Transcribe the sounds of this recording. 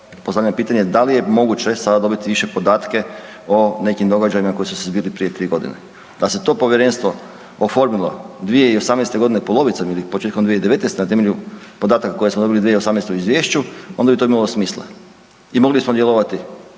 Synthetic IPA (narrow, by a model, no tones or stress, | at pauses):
post̪aʎampiːt̪aɲe̞d̪alije̞mo̞ɡut͡ɕe̞sad̪ad̪o̞bit̪iʋiʃepo̞d̪aːt̪ke̞ | one̞kimd̪o̞ɡad͡ʒajimako̞jisusezbiːlipɾije̞t̪ɾiːɡo̞d̪ḭne | d̪aset̪o̞po̞ʋjeɾe̞ːnst̪ʋo̞ | ofo̞ɾmilˠo̞̰d̪ʋije̞iosamnest̪e̞ɡo̞d̪inepolˠo̞ʋit̪samilipot͡ʃet̪̚komd̪ʋijeid̪eʋe̞t̪nest̪enat̪e̞meʎupo̞d̪aːt̪akako̞jesmod̪o̞bilid̪ijeiosamnest̪euizʋjeːʃt͡ɕuond̪abit̪o̞imalˠosmiːslˠa̰ | imo̞ɡlibismod̪jeloʋat̪i